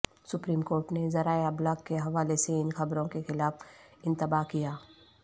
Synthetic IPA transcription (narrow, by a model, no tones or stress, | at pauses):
sʊpɾiːmkoːɾʈnezɐɾaːeɐblaːɡkːeɦɐʋaːleseɪnxɐbɾõkexɪlaːf | ɪ̃nt̪əbaːkijaː